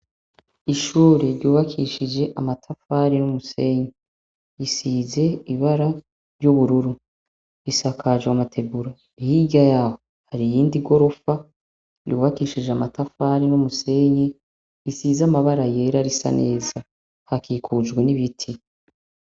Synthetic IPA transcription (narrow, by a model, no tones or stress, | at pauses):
iʃuːɾeɾɟuːβakʰiʃid͡ʒe̞ʔamatʰafaɾinumuse̞ɲi | isize̞iβaɾa | ɾɟuβuɾuɾu | ɾisakʰad͡ʒewamatʰe̞buɾa | ihiɡɟajaːhohaɾijiːndiɡo̞ɾo̞fa | jṵːβakiʃid͡ʒeamatafaɾinumuse̞ɲi | isizamaβaɾaje̞ɾaɾisa̰nʔe̞ːza | hakiːkʰud͡ʒɡweniβitʰi